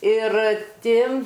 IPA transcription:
ɪr ˈtʲɪ

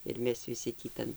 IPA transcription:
ɪr ˈmʲɛs ʋʲɪˈsʲɪ tʲiː ˈtɐn

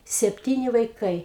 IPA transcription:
sʲɛpʲˈtʲiːnʲɪ ʋɐɪˈkɐɪ

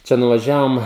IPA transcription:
ˈt͡ʃʲɛ nʊʋɐˈʒʲæːʋoːm

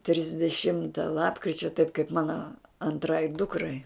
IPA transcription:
tʲrʲɪzʲdʲɛˈʃʲɪmtɐ ˈlˠɑːpkrʲɪt͡ʃʲɛ tɐɪp kɐɪp ˈmɑːnɐ ɐnˈtrɐɪ ˈdʊkrɐɪ

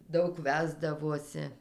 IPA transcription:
ˈdɐʊk ˈʋʲæːzdɐʋoːsʲɪ

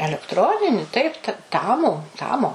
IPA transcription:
ɛlʲɛkˈtroːnʲɪnʲɪ ˈtɐɪp tɐ ˈtɑːmʊ ˈtɑːmoː

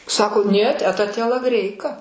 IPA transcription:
ˈsɑːkoː nʲiɛt ˈæːtɐ tʲiɛlˠɐˈɡrʲɛɪkɐ

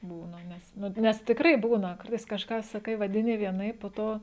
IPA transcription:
ˈbuːnɐ ˈnʲɛs ˈnʊ ˈnʲɛs tʲɪkˈrɐɪ ˈbuːnɐ ˈkɐrtɐɪs kɐʃˈkɑː sɐˈkɐɪ ʋɐdʲɪˈnʲɪ ʋʲiɛˈnɐɪp poː ˈtoː

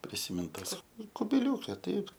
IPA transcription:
pʲrʲɪsʲɪˈmʲɪnt ˈtɐs kʊbʲɪˈlʲuːkʲɛ ˈtɐɪp

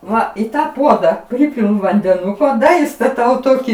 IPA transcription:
ˈʋɐ iː ˈtɑː ˈpuɔdɐ ˈpʲrʲɪpʲɪlˠʊ ʋɐnʲdʲɛˈnʊkoː ˈdɐ ɪstɐˈtɐʊ ˈtoːkʲiː

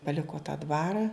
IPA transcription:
pɐlʲɪkoː tɐ ˈdʋɑːrɐ

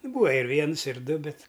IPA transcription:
ˈbuːʋɐ ɪr ˈʋʲiɛns ɪr ˈdʊ ˈbʲɛt

